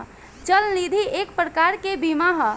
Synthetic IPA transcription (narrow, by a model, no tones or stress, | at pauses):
t͡ʃəlnid̪ʱiekpɾəkaɾkebimaɦə